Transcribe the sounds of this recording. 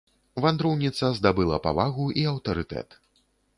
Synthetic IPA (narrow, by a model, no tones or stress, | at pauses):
vand̪ɾɔwnʲit̪sɐzd̪abɨlˠɐ̰pa̰vaɣuʔiɐwt̪ɐɾɨt̪ɛ̰t̪